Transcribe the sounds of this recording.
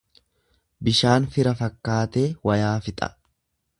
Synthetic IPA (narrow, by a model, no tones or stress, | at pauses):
bɪʃaːnfɪɾɐfɐkːaːt̪e̞ːwɐjaːfɪt̪ʼɐ̰